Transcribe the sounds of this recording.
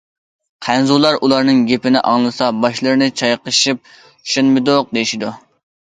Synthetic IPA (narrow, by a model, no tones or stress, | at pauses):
qʰænzulˠɑɾʔulˠɑɾnɨŋɡʲepɪnɪʔɑŋlˠɨsɑbɑʃlˠɨɾɨnɨt͡ʃʰɑjqəʃip̚ | y̥ʃenmɪd̪oq̚d̪ejiʃid̪u